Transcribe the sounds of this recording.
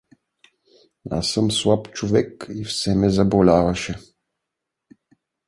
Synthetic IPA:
a̰səmslˠapt͡ʃovɛkifsɛmɛzɐbolʲavɐʃɛ

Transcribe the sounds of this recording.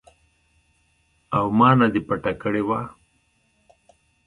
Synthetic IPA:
awmɑːnad̪ipaʈakəɽewa

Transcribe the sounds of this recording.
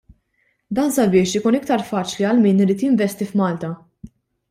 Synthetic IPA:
d̪ɐːnsɐbɪːʃɪkuːnɪk̚t̪ɐɾfɐːt͡ʃliɐlmiːnɪɾiːt̪jɪɱvɛst̪ifmɐːlt̪ɐ

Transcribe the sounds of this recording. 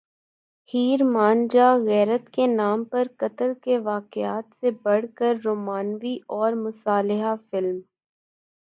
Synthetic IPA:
hiːɾmaːnd͡ʒaɣɛːɾət̪kenaːmpɐɾkɐt̪əlkeʋaːkɪaːt̪sebɐɽ̤kəɾːoːmaːnʋiɔːɾmʊsaːlɪɦafɪlm

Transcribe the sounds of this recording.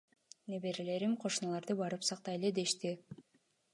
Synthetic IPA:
nebe̞ɾile̞ɾimqʰo̞ʃunɑlˠɑɾd̪ɯbɑɾɯpsɑq̚t̪ɑjeled̪e̞ʃt̪i

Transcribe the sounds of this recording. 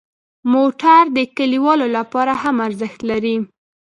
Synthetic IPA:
moʈaɾd̪əkaliwɑlolapɑɾahamaɾzəxt̪laɾi

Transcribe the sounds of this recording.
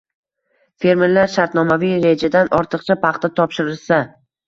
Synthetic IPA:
fe̞ɾmeɾlaɾʃaɾt̪nɒmavijɾe̞d͡ʒad̪anʔɒɾt̪ʰɨqt͡ʃʰapʰɑχt̪at̪ʰɒpʃɪɾɪlsa

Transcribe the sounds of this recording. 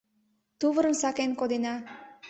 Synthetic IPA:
t̪uβəɾənsɑkenkod̪enɑ

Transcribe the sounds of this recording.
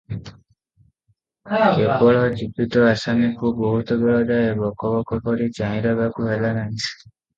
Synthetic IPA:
kebɔɭɔd͡ʒibit̪ɔasanikubɔɦut̪ɔbeɭɔdaebɔkɔbɔkɔpɔɾit͡ʃaĩɾɔɡakuɦelanaɦĩ̥

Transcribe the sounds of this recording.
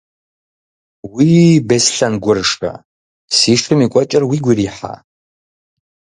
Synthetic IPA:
wiːbesɬɐnɡʷʊrʂɐ̰ | siːʂʰɨmikʷʼɔt͡ʃʼɐrwiːɡʷiriːħa̰ː

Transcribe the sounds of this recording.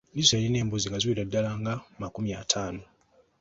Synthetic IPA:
niseɾine̞ːmbuziŋɡazwiɾadːalaːŋɡamakumiaːtʰaːno

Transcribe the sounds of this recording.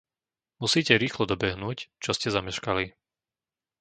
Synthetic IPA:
musiːcɛɾiːxlɔd̪ɔbɛɦnuːct͡ʃɔscɛzamɛʃkali

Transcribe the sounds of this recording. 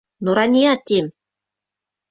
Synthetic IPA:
nuɾɑnʲiɑt̪ʲim

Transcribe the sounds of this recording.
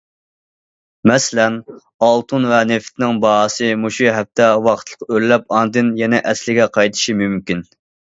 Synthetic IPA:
mɛslɛn | ɑlˠt̪ʰunvɛneft̪ʰɪnɪŋbɑsɨmuʃuɦɛp̚t̪ʰɛwɑqʰt̪ʰlˠəqølːɛp̚ɑnd̪ɨnjɛnɛʔɛslɪɡʲɛqʰɑjt̪ʰɨ̥ʃimymkʲin

